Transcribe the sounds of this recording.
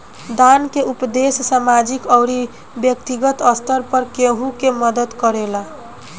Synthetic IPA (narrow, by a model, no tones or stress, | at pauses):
d̪ankeupd̪essamad͡ʒikʌwɾi | bjʌkt̪iɡʌt̪ʌst̪əɾpʌɾkeɦũkemʌd̪ət̪kʌɾela